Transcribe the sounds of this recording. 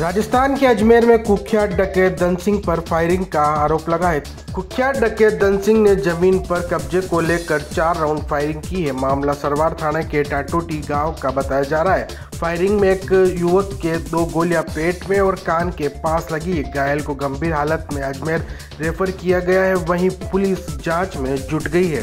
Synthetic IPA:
ɾaːd͡ʒəst̪ʰaːnkeɐd͡ʒmeːɾmẽkʊkʰjaːʈɖɐkeːʈ̚d̪ɐnsɪ̃ŋɡ̚pɐɾfʰaːɪɾɪ̃ŋɡkaaːɾoːplɐɡaɦɛ | kʊkʰːjaːʈɖɐkeːʈ̚d̪ɐnsɪ̃ŋɡned͡ʒɐmiːnpɐɾkɐb̚d͡ʒekoleːkəɾt͡ʃaːɾːaːʊ̃ɳɖfʰaːɪɾɪ̃ŋɡkiɦɛmaːmlasɐɾʋaːɾt̪ʰaːɽ̃ekeʈaːʈoːʈiɡãːʋkabɐt̪aːjad͡ʒaːɾaɦaɦɛː | fʰaːɪɾɪ̃ŋɡmẽkjuʋəkːed̪oːɡoːlijapeːʈmẽɔːɾkaːnkepaːslɐɡiɦɛɡaːjəlkoɡɐ̃mbʱiːɾɦaːlət̪mẽɐd͡ʒmeːɾː | efʰəɾkijaɡɐjaɦɛʋɐɦĩpʊliːsd͡ʒãːt͡ʃmẽd͡ʒʊʈɡɐiɦɛ̰ː

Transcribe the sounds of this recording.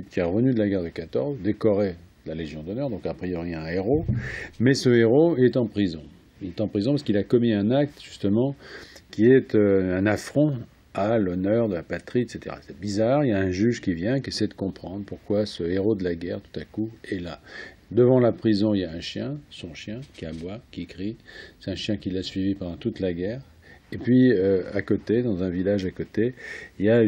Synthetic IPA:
ipkʲiɛʁəvənyd̪əlaɡaʁd̪əkat̪ɔʁzd̪ekɔʁe | d̪əlaleʒjɔ̃d̪ɔnœʁd̪ɔ̃kapχijɔʁiɛ̃eʁomɛsəeʁoɛt̪ɑ̃pχizɔ̃ | ilɛt̪ɑ̃pχizɔ̃paʁskilakɔmiɛ̃nak̚t̪ʒyst̪əmɑ̃kʲiɛt̪øɛ̃nafχɔ̃ | alɔnœʁd̪əlapat̪χiɛt̪set̪eʁa̰sɛbizaʁijaɛ̃ʒyʒkʲivjɛ̃kʲiesɛd̪əkɔ̃pχɑ̃d̪ʁpuʁkwasəeʁod̪əlaɡɛʁt̪u̥t̪akuɛla̰ | d̪əvɑ̃lapχizɔ̃iljaɛ̃ʃjɛ̃sɔ̃ʃjɛ̃kʲiabwakʲikχisɛ̥t̪ɛ̃ʃjɛ̃kʲilasɥivipãd̪ɑ̃t̪ut̪laɡʲɛʁ | epɥiøa̰kot̪ed̪ɑ̃zɛ̃vilaʒakot̪eilja

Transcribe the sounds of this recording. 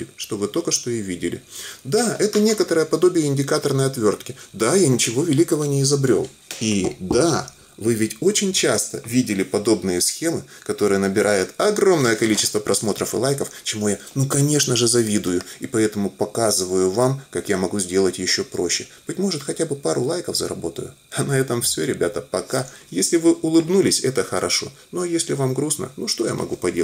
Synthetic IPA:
ɪʂt̪o̞vɨt̪okəʂt̪o̞ɪjvʲidʲɪlʲɪ̰d̪aɛt̪ənʲe̞kət̪əɾəjəpɐd̪o̞bʲɪjəɪnʲdʲɪkat̪ərnəjɐt̪vʲo̞rt̪kʲɪd̪ajanʲɪt͡ɕɪvo̞vʲɪlʲikəvənʲɪɪzɐbɾʲo̞̰lˠ | id̪a | vɨvʲɪtʲo̞t͡ɕɪnʲt͡ɕast̪əvʲidʲɪlʲɪpɐd̪o̞bnɨjəsxʲemɨkɐt̪o̞ɾɨjənəbʲɪɾʔajʊt̪ɐɡro̞mnəjəkɐlʲit͡ɕɪst̪vəpɾɐsmo̞t̪ɾəfɨ̰lˠajkəft͡ɕɪmujanukɐnʲe̞ʂnəʐɨzɐvʲid̪ʊjʊipɐɛt̪əmʊpɐkazɨvəjʊvamkakjamɐɡuzʲdʲe̞lˠətʲjɪɕːo̞pɾo̞ɕːɪb̥ɨtʲmo̞ʐɨt̪xɐtʲabɨpaɾʊlˠajkəvzə̰ɾɐ̰bo̞t̪əjʊ̰ | ɐnɐɛt̪əmfsʲoɾʲɪbʲat̪əpɐkajesʲlʲɪvɨʔʊlˠɨbnulʲɪsʲɛt̪əxəɾʔɐʂo̞̰no̞jesʲlʲɪvamɡɾusnə̰nuʂt̪o̞ja̰mʔɐ̰ɡupɐdʲe

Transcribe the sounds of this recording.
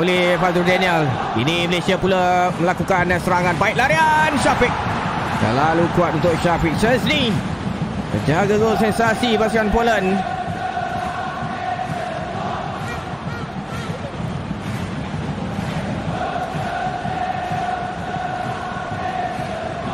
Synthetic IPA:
olɛhfad̪ɔrdɛniəl | iniməlesiapulaməlakukanasəɾaŋãnbaik̚laɾianʃafik̚t̪ə̰lalukuat̪unt̪ʊk̚ʃafik̚səsni | tə̰d͡ʒaɡaɡosɛnsasipasukanpolən

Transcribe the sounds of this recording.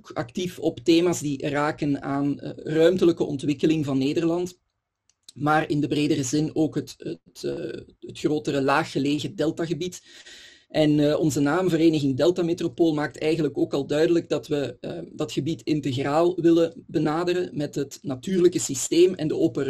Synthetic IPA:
kɑ̰ktifɔpteːmaːsdiraːkənaːnrœɥmtələkəʔɔ̰ntʋɪkəlɪŋvɑnːeːdərlɑnt | maːrɪndəbreːdərəzɪnoːkɦətətː | ətxroːtərəlaːxːəleːɣədɛlˠtaɣəbit | ʔɛnɔnzənaːmvəɾeːnəɣɪŋdɛlˠtametropoːlˠmaːk̚tɛjɣənləkoːkɑlˠdœɥdələɡ̚dɑtʋədɑtxəbitɪntəɣraːlˠʋɪləbənaːdəɾəmɛtɦətnatyːrləkəsisteːmɛ̰ndəoːpər

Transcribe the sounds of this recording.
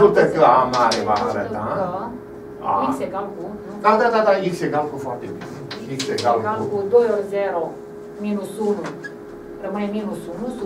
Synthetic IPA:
ut̪əkəamaɾevaaɾəaə | a̰ikseɡalkunuk̪ad̪ad̪at̪aikseɡalkufoart̪ebineikseɡalkɡalkud̪ojorʲzeɾo | minusunu | rəmɨneminusunus

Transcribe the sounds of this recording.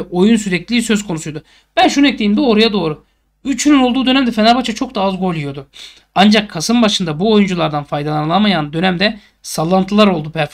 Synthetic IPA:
ʔo̞juns̬yɾɛclʲiːs̬ø̞zkʰonusujod̪ʊ | b̥ænʃunuɛc̚t̪ʰʲiːimd̪ɛo̞ɾujad̪o̞ːɾu | yt͡ʃʰynynolˠd̪uːd̪ø̞næmd̪ɛfenaɾbat͡ʃʰat͡ʃʰo̞k̚d̪aazɡo̞lʲˠujo̞d̪ʊ | and͡ʒakʰːasɯmbaʃɯnd̪abuo̞jund͡ʒulˠaɾd̪anfajd̪alˠanɯlˠamajand̪ø̞næmd̪ɛ | salˠːant̪ʰɯlˠaɾo̞lˠd̪upʰæɾf

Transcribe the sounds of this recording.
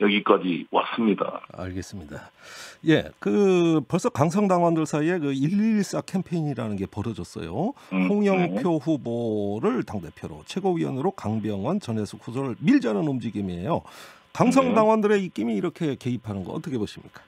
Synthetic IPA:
jʌɡik͈ad͡ʑiwa̰s͈ɯmɲida̰a̰ɭɡe̞s͈ɯmɲida̰je̞̰kɯpʌɭs͈ʌkaŋsʰʌŋdaŋwandɯɭsʰaie̞kɯiʎːiɭs͈akʰe̞mpʰe̞iɲiɾanɯnɡe̞pʌɾʌd͡ʑʌs͈ʌ̰johʰoŋjʌŋpʰjoɸuboɾɯɭtaŋde̞pʰjoɾo̰t͡ɕʰwe̞ɡoɥiwʌ̰nɯɾokaŋbjʌŋwʌnt͡ɕʌne̞sʰokʰusʰoɯɭmiɭd͡ʑanɯnomd͡ʑiɡimiejo̰ | kaŋs̬ʰʌŋdaŋwandɯɾe̞ik͈imiːɾʌkʰe̞ke̞ipʰanɯnɡʌʌ̰t͈ʌkʰe̞boɕʰimɲḭk͈ḁ

